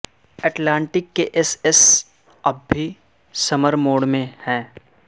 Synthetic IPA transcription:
ɛːʈlãːɳʈɪkːeʔɪsɪs | ɐbʱːi | sɐməɾmoːɽmẽhɛ̃ː

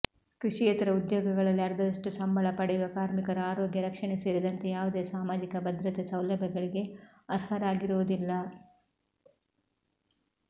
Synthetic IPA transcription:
kɾiʂijɐt̪ɐɾɐud̪joːɡɐɡɐɭɐlːiɐɾd̪ɐd̪ɐʂʈusɐmbʱɐɭɐpɐɽɛjuʋɐkaːɾmikɐɾɐaːɾoːɡjɐɾɐkʂɐɳeseːɾid̪ɐnt̪ejaːʋud̪e̞ːsaːmaːd͡ʒikɐbɐd̪ɾɐt̪esɐwlɐbʱjɐɡɐɭiɡe̞ɐɾhɐɾaːɡiɾuʋud̪ilːɐ

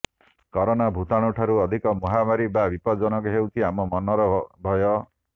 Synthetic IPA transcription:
kɔɾɔnabʱut̪aɽ̃uʈʰaɾuɔd̪ʱikɔmɔɦamaɾibabipɔd͡ʒɔnɔkuɦewt̪ʰiamɔmɔnɔɾɔbʱɔjɔ

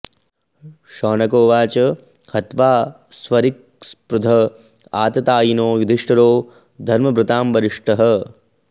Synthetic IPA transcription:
ʃɔːnɐkoːʋaːt͡ʃɐ | kʰɐt̪ʋaː | sʋɐɾik̚ | spɾud̪ʱɐ | aːt̪ɐt̪aːjinoːʋid̪ʱiʂʈɐɾoː | d̪ʱɐɾmɐbɾut̪aːmʋɐɾiʂʈɐɦɐ̆

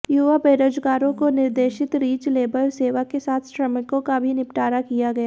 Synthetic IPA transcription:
juʋapeːɾoːd͡ʒɡaːɾõkonɪɾd̪eːʃɪt̪ɾiːd͡ʒleːbəlseːʋakesaːt̪ʰʃɾɐmɪkõkabʱinɪpʈaːɾakijaɡɐjaː

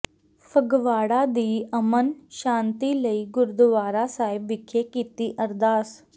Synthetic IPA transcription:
fʰəɡʋaːɽad̪iːɐmənʃãːnt̪iləiɡʊɾd̪ʋaːɾasaːɪbʋɪkʰːekiːt̪iʔɐɾd̪aːs

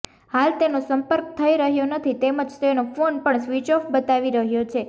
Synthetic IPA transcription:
halt̪enosəmpəɾk̚t̪ʰəiɾəɦjonət̪ʰit̪eməd͡ʒt̪enofonpəɳsʋit͡ʃɔfbət̪aʋiɾəɦjot͡ʃʰe

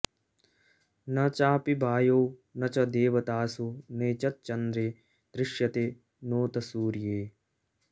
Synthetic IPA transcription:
nɐt͡ʃaːpibʱaːjoːnɐt͡ʃɐd̪eːʋɐt̪aːsuneːt͡ʃɐt̪̚t͡ʃɐnd̪ɾeː | d̪̥ɾɪʃjɐt̪e | noːt̪ɐsuːɾjeː

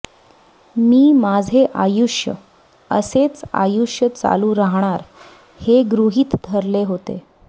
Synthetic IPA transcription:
miːmad͡zʱeʔajuʂjə̰ | ə̰set͡sa̰juʂjət͡sa̰luɾaɦɳ̃aɾ | heɡɾuɦiːt̪d̪ʱəɾleɦot̪ḛ

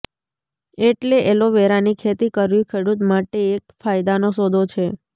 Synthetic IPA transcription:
eʈleʔeloʋeɾanikʰet̪ikəɾʋĩkʰeɽut̪maʈeːkfajd̪anosod̪ʱot͡ʃʰe

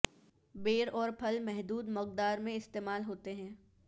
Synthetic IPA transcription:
beːɾɔːɾpʰɐlmɛɦd̪uːd̪mɔq̚d̪aːɾmẽɪst̪eːmaːlɦoːt̪eɦɛ̃ː

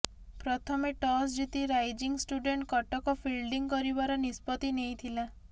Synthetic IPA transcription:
pɾɔt̪ʰɔmeʈɔsd͡ʒit̪iɾajd͡ʒiŋsʈuɖeɳʈkɔʈɔkɔpʰilɖiŋkɔɾibaɾɔnispɔt̪inejt̪ʰila

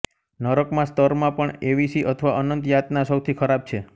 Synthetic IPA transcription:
nəɾəkmãst̪əɾmãpəɳeʋisiʔət̪ʰəʋaʔənənt̪jat̪nasəwt̪ʰikʰəɾab̚t͡ʃʰe

